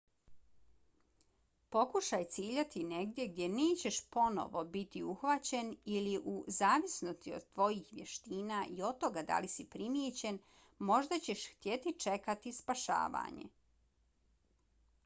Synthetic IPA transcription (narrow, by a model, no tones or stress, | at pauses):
po̞kuʃajt̪siːʎat̪ʰineɡd̪je̞ɡd̪ʲje̞neːt͡ɕe̞ʃpo̞no̞̰ʋo̞bit̪iuxʋat͡ɕe̞niliʔuzaːʋisnost̪iod̪̚t̪ːʋo̞jiːxʋjeʃt̪iːnaʔio̞d̪̚t̪ːo̞ɡad̪a̰lisipɾimjet͡ɕe̞n | mo̞ʒd̪at͡ɕe̞ʃxt̪jet̪it͡ʃe̞kat̪ispaʃa̰ːʋa̰ːɲḛ